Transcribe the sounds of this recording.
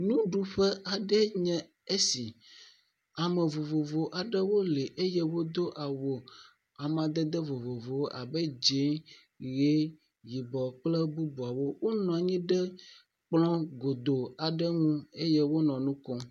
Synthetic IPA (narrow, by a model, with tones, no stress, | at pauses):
nũ˦ɖu˦ɸɛ˦ʔa˨ɖɛ˦ɲɛ̃˦˨ | e˦si˨ | a˨mɛ˨vo˨vo˨vo˨ʔa˨ɖɛ˦wo˦le˨ʔe˦jɛ˦wo˦d̪o˦ʔa˨wo˨ | a˨m˨ã˨d̪ɛ˦d̪ɛ˦vo˨vo˨vo˨wo˦ʔa˨bɛ˦d͡ʒe˦ | ɣe˦ | ji˨bɔ˨k͡plɛ˦bu˦bu˨a˨wo˦wo˦nɔ̃˨a˨ɲĩ˦ɖɛ˦ | k͡plɔ̃˦ɡo˨d̪o˨a˨ɖɛ˦ŋũ˦e˦jɛ˦wo˦nɔ̃˨nũ˦kɔ˦